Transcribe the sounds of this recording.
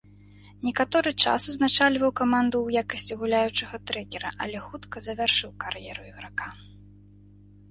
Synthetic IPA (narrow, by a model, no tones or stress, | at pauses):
nʲɛkat̪ɔɾɨt͡ʂa̰suznat͡ʂalʲvɐwkamand̪uwjakɐsʲt͡sʲiɣulʲajut͡ʂɐɣɐt̪ɾɛkʲɛɾɐ̰ʔɐ̰lʲɛxut̪kɐzɐvʲarʂɨwkarjɛɾuiɣɾaka